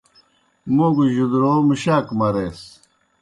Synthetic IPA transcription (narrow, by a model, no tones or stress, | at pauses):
moːɡuʑud̪ɾoːmiɕaːkmɐɾeːs